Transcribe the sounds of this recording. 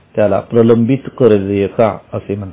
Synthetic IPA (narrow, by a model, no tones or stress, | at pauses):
t̪jala̰pɾələmbit̪kəɾləjekaəsem̤əɳ